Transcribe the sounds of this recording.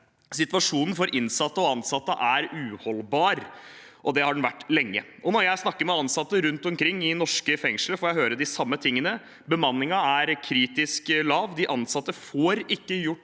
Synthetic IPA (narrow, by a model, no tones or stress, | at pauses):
sɪt̪ʋɑʂuːnn̩fɔɾʔɪnsɑt̪ːəɔɑnsɑt̪ːə̰ʔæɾʉːhɔlbɑːɾ | ʔɔd̪ɛhɑɖn̩ʋæʈːlɛŋːə̰ʔɔnɔɾjæɪsnɑkːəɾmɛɑnsɑt̪ːəɾʉnt̪ɔmkʰɾɪŋːɪnɔʂkəfɛŋʂləfoːjæɪɦøːɾəd̪ɪsɑmːət̪ʰɪŋːənə | bəmɑnːɪŋɑæɾkʰɾiːt̪ɪsklɑːʋd̪ɪʔɑnsɑt̪ːəfoːɾɪkːəjʊʈː